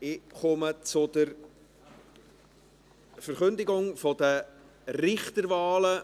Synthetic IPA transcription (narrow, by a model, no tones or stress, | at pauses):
ɪχʊmət͡sʊd̥̪əɾ | fəɾχɵnd̪ɪɡʊŋfɔd̥ə | rɪχt̪əɾvɑːlə